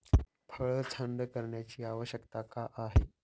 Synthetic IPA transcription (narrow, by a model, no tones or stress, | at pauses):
pʰəɭt͡sʰəɳɖ̪kəɾɳjat͡ɕiːaʋəɕjəkt̪akaʔaɦe